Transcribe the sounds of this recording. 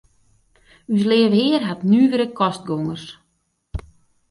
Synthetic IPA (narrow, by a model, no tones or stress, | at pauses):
ys̬lɪəvəhɪərɦatnyːvəɾəkʰɔst̚ɡoŋərs